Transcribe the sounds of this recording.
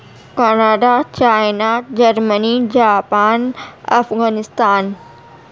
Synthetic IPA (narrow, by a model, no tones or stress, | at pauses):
kaːnaːɖat͡ɕaːɪnad͡ʑɐɾmənid͡ʑaːpaːnɐfɣaːnɪst̪aːn